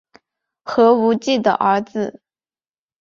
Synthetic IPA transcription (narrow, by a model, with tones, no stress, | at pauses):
xɤ˧˥u˧˥t͡ɕi˥˩d̪ə̰˩ʔə˞˧˥d͡zɹ̩˧